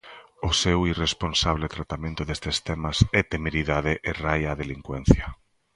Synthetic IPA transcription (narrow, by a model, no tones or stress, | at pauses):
ʊsewiresponsaβlet̪ɾat̪amẽnt̪ʊðest̪est̪ɛmasɛt̪emeɾiðaðeʔerajaːðeliŋkwɛn̟θja